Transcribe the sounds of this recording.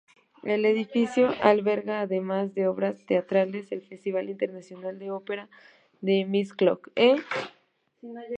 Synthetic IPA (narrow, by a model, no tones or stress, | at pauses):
e̞le̞ðifisjo̞ʔalβe̞ɾɣaːðe̞mazðe̞o̞βɾast̪e̞at̪ɾale̞selfe̞st̪iβ̞alint̪e̞ɾnasjo̞nald̪e̞ope̞ɾa | ðe̞misklo̰ke